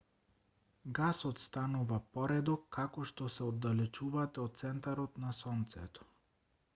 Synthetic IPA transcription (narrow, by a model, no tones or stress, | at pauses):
ɡasɔt̪st̪anuvapɔɾɛd̪ɔkʰːakɔʃt̪ɔsɛod̪ːalɛt͡ʃuvat̪ɛot̪̚t̪sɛnt̪aɾɔt̪nasɔnt̪sɛ̰t̪ɔ̥